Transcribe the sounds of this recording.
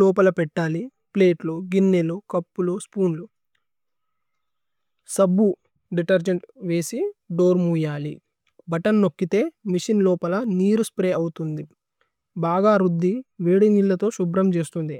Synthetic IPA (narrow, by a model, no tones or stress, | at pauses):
lɔːpɐlɐpɛʈːaːli | ple̞ːʈluɡinːelukɐpːuluspuːnlu | sɐbːu | ɖiʈɐɾd͡ʒeɳʈʋe̞ːsiɖo̞ːɾmuːjaːli | bɐʈɐnnokːit̪e̞ːmiʂinlɔːpɐlɐniːɾuspɾeːɐwut̪und̪i | baːɡaːɾud̪ːiʋeːɽiniɭːɐt̪o̞ːʃubɾɐmt͡ʃe̞ːst̪und̪i